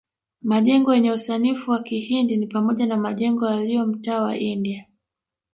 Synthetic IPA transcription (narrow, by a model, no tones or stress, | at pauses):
maʄɛŋɡɔjɛɲɛusanifuwakihindinipamɔʄanamaʄɛŋɡɔjaliɔm̩taːwa̰ʔindia